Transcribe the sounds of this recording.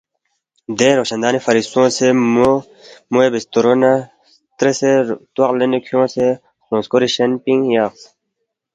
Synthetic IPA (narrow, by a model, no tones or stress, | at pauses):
d̪eːɾoːɕɐnd̪aːnifɐɾist̪õːse | muebist̪uɾona | t̪ɾeset̪wɐqlenikʰjõːse | xõːskoɾiɕɐnpiŋɡjaːqs